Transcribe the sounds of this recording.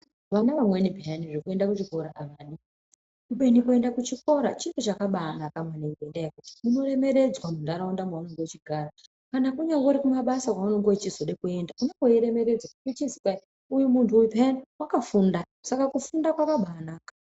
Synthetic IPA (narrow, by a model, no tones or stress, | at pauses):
ʋanaʋamwenibʱianiʐekue̞ndakut͡ʃiko̞ɾaʔaʋaːɗi | kuɓenikue̞ndakut͡ʃiko̞ɾa̰t͡ʃipot͡ʃakaɓanakamweniŋkoendajekuti̥uno̞ɾe̞me̞ɾe̞d͡zwamundaɾaundamowanoŋɡeet͡ʃiɡʱara | kanakuɲawoɾikumaɓasakwawanoŋɡot͡ʃizo̞ɗekue̞ndakuɲakoiɾe̞me̞ɾe̞d͡zwaut͡ʃizikai | ujumuntʰuipanawakafunda | sakakufundakwaʋaɓaːnaːkḁ